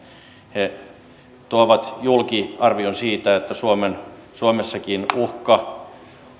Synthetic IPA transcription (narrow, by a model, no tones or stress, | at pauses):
he | t̪uoʋɑt̪julkiɑrʋionsiːt̪æet̪ːæsuomensuomesːɑkinuhkɑ